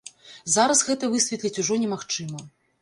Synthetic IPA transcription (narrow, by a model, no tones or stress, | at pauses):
zaɾɐsɣɛt̪ɐvɨsʲvʲɛt̪lʲit͡sʲuʐɔnʲɛmaxt͡ʂɨmɐ